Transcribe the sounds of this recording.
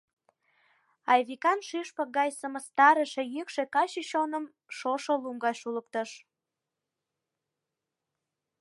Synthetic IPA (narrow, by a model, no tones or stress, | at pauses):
ɑjβikɑnʃyʃpəɡɑjsəməst̪ɑɾəʃejəkʃekɑɕəɕonəm | ʃoʃolumɡɑʃulək̚t̪əʃ